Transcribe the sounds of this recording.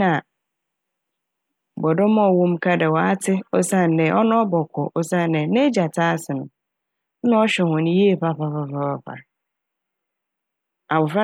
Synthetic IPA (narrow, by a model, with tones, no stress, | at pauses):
ã˨ | bɔ˨dɔ˦mɔ̃˦˨wũ˦m˦kʰa˦dɛ˨wɔ˨a˦tʰɪ˦ɔ˦sa˦˨n̩˨dɛ˨˦ʔɔ˦nʊ̃˦ɔ˦bɔ˨kʰʷɔ˨ʔɔ˦sa˦˨n˨dɛ˨˦nẽ˦d͡ʑa˨tʰaː˦sɪ˨nʊ̃˨˦ | ñ˦ɔ˦ɕᶣɛ˨hʊ̃˨ñ˦ji˦e˦˨ɸa˦ɸa˦ɸa˨ɸa˦fa˦ɸa̰˨ | a˨wʊ˨fa˦